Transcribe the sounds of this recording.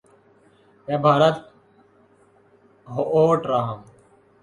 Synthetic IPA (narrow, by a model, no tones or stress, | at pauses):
ɛːbʱaːɾət̪̚ | ɦoʔoːʈɾaːɦəm